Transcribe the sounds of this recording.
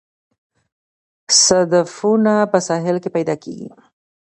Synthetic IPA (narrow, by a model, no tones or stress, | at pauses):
sad̪afunapəsɑɦɪlkepajd̪ɑkeɡḭ